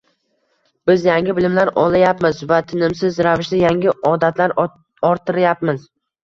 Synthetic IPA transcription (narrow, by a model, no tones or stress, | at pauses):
b̥ɪzjaŋʲɪbɪlɪmlaɾɒlˠajapmɪzvat̪ʰɪnɪmsɪzɾavɪʃd̪ajaŋʲɪɒd̪at̪ʰlaɾ | ɒɾt̪ʰːɪɾɪjap̚mɪz